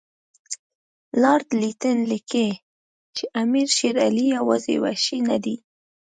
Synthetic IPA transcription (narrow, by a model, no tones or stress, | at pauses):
lɑɾd̪lit̪ənlike | t͡ʃeʔamiɾʃeɾalijawa̰zḛwa̰ʃina̰d̪i